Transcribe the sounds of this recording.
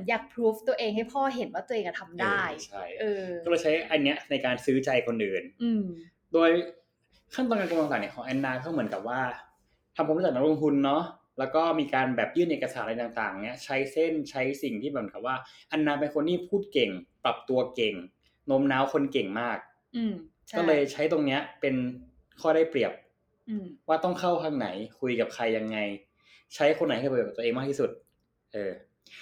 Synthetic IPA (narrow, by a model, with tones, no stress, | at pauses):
njaː˨˩k̚pʰɾuː˦˥ft̪u˧ɐʔeː˧ŋha˥˩jpʰɔː˥˩ɦe˨˩˦nwaː˥˩t̪u˧əʔeː˧ŋka˧˩t̪ʰa˧mdaː˥˧˥jt͡ɕʰa˥˩jʔɤː˧˥˩lɤː˧jt͡ɕʰa˦˥jʔa˧nːi˦˥ɐna˧jkaː˧nsɯː˦˥t͡ɕa˧jkʰo˧nʔɯː˨˩nʔɯː˧m | doː˧j | kʰa˥˩t̪ɔː˧nkaː˧ku˧la˧ŋsa˨˩ni˥˩kʰɔː˩˦ŋʔɛ˧nːaː˧kʰa˥˩wmɯ˩˦nka˨˩p̚waː˥˩ | t̪ʰa˧mpʰːɾt͡ɕ̚na˦˥lo˧ŋt̪ʰu˧nːɔ˦˥ | lɛː˦˥wkɔː˥˩miː˧kaː˧nbɛː˨˩p̚jɯː˥˩nʔeː˨˩ka˧saː˩˦nʔa˧jt̪aː˨˩ŋt̪aː˨˩ŋni˦˥ɐt͡ɕʰa˦˥jse˥˩nt͡ɕʰa˦˥jsi˨˩ŋt̪ʰiː˥˩ɛː˨˩ka˨˩p̚waː˥˩ʔa˧nːaː˧pe˧nkʰo˧nːiː˥˩pʰuː˥˩t̪̚ke˨˩ŋpɾa˨˩p̚t̪u˧ɐke˨˩ŋ | no˦˥mnaː˦˥wkʰo˧nke˨˩ŋmaː˥˩k̚ː | kɔː˥˩lɤː˧jt͡ɕʰa˦˥jt̪o˧ŋni˦˥ɐpe˧n | kʰɔː˥˩ɾaː˥˩jpɾi˨˩əp̚ | waː˥˩t̪ɔ˥˩ŋkʰa˥˩wkʰaː˧ŋna˩˦jkʰu˧jka˨˩p̚kʰa˧jːa˧ŋːa˧j | t͡ɕʰa˦˥jkʰxʰo˧n̚ʰː˨˦˥t̪ːeː˧ŋmaː˥˩t̪ʰi˥˩su˨˩t̪̚ | ʔɤː˧